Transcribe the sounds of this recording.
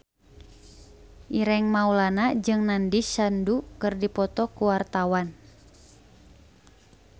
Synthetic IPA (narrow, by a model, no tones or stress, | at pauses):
ʔiɾɛŋmaulanad͡ʒɨŋnandisandukɨrdipɔt̪ɔkuwart̪awan